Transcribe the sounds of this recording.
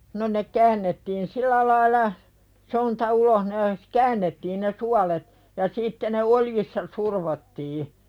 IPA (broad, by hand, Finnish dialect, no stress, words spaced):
no ne kæːnːetːiːn silˑæ lɑilɑ sontɑ uloh ne kæːnːetːiːn ne suɑlet jɑ sitːe ne oljisːɑ surʋotːiː